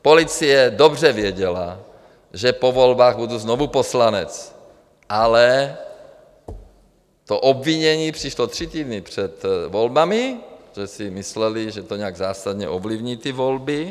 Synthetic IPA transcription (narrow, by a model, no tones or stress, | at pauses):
polit͡sijɛd̪obrɛvɪɛɟɛla | ʒɛpovolbaːɣbud̪uznovuposlanɛt͡s | ʔalɛ | t̪oʔobviɲɛɲiːpr̥iʃlot̪r̝̥it̪iːd̪nɪpr̝̥ɛt̪volbamiʒ̥ɛsimislɛliʒɛt̪oɲɛaɡzaːsad̪ɲɛ̰ʔovlivɲiːt̪ivolbi